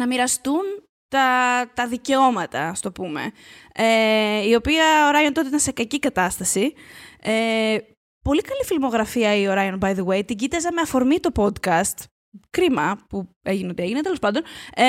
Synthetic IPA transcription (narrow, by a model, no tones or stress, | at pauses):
nɐmiɾɐst̪un | t̪ɐt̪ɐðice̞o̞mɐt̪ɐɐst̪o̞pume̞̰eio̞piɐo̞ɾɐjo̞nt̪ot̪eit̪ɐnsekɐcikɐt̪ɐst̪ɐsie | po̞likɐlifilmo̞ɣɾɐfiɐio̞ɾɐjo̞nbɐjðewe̞jt̪iɟit̪ɐzɐme̞ɐfo̞ɾmit̪o̞po̞d̪kɐst̪ | kɾimɐpu | e̞ʝineot̪ie̞ʝinet̪elo̞spɐnd̪o̞n